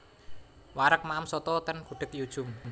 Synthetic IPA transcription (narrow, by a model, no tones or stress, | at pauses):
waɾək̚maəmsɔt̪ɔt̪ənkṳɖ̥ɪ̤k̪̚jud̥ʒ̥ʊm